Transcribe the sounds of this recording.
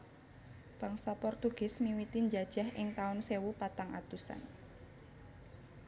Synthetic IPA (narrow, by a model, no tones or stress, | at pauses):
b̥aŋsapɔrt̪uɡ̥ɪsmiwit̪iɲd͡ʒad̥ʒ̥a̤ɦɪŋt̪aʊnsewupat̪aŋʔa̰t̪usa̰n